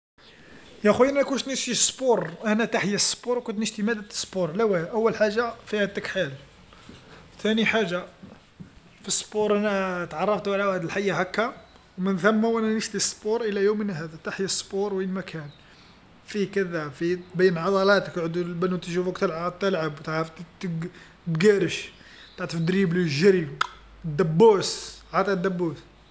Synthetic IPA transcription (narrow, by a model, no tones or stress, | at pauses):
jæxujʔnnækunʃnəʃt̪isˤpuɾˤʔænæt̪aħjæsːˤpuɾwkʊnt̪nəʃt̪imæd̪æə̥spuɾˤlæwæʔæwːəlħaʒːafihæd̪əkħal | t̪æniħaʒːa | fisːpuɾˤʔænæt̪ʕɑrˤːɑft̪wʕlawhæd̪əlħajːaɦækːa | wmənθæmːawʔænænəʃt̪isˤːpuɾˤʔəlæjumənɦæd̪æt̪aħjəsˤːpuɾˤwinmækʰæn | fikəd̪æfibæjːənʕɑd̪ˤɑlɑt̪əkʕəd̪ulbænut̪ʒufəkt̪əlʕat̪əlʕabwt̪ʕɾˤəft̪ | b̪ɡæɾəʃ | t̪aʕt̪ˤəfd̪ɾibliʒəɾi | d̪ːæbːusʕɑt̪ˤɑd̪ːæbːus